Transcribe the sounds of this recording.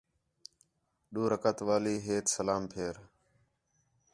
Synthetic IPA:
ɗuːɾəkət̪ʋaːliːɦeːt̪səlaːmpʰeːɾ

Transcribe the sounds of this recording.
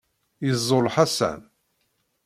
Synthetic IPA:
jəzˤːolħasæ̰n

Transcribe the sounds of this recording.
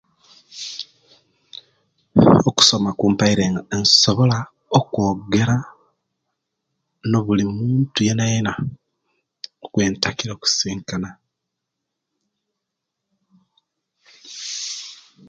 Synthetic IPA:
oku̥so̞makuːmpaiɾe̞ːŋɡaenso̞βo̞la | okwo̞ːɡe̞ɾa | no̞βulimuːntuje̞najena | okwe̞ːntakiɾoku̥siːŋkana

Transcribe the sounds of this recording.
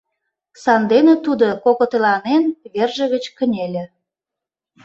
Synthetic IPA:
sɑnd̪enĕt̪ud̪okokot̪elɑnenβerʒə̆ɣət͡ɕkə̆nʲelʲĕ

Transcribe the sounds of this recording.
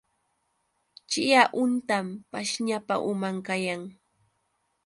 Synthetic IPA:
t͡ʃɪjaʔʊnt̪ampaʃɲapa̰ʔʊmaŋkajaŋ

